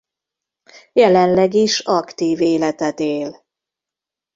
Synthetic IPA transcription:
jɛlɛnlɛɡiʃɒkt̪iːveːlɛt̪ɛt̪eːl

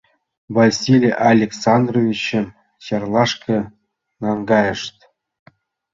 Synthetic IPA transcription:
vasʲilʲʔalʲeksɑnd̪rovʲit͡ɕɘ̆m | ɕɑrlˠɑʂkʰɤ̆ | nɑŋɡɑjə̆ʂt̪ʲ

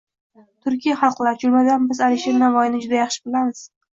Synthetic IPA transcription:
t̪ʰʊɾkʲijaχɑlˠqlˠaɾt͡ʃʰʊlmad̪anbɪzalɪʃeɾnavɒjɪnɪd͡ʒʊd̪ajɑχʃɪbɪlamɪz̥

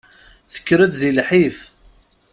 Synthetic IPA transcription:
θə̥kːɾəd̪ðilħif

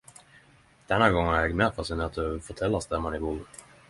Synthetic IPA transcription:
d̪̥ɛnhaɡɔŋːaɛɡmɛːfasɪnɛːt̪ʰːfɔʈ̪ʰɛlːast̪ɛmːanɪbuːɾ

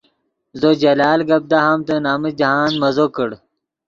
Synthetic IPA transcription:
zod͡ʑɐlaːlɡɐb̚d̪aɦɐmt̪ɐnaːmid͡ʑɐɦaːnmɐzokəɽ

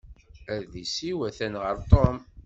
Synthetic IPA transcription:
æɾðisiwæθænʁəɾt̪ˤom

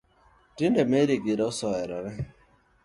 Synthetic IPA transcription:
dindemeɾiɡiɾeʊsɔɛɾɔɾɪ

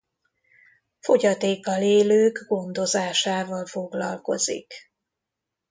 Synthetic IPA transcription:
fo̞ɟɒt̪eːkːɒleːløːɡɡo̞nd̪o̞zaːʃaːvɒlfo̞ɡlɒ̰lko̞̰zḭk

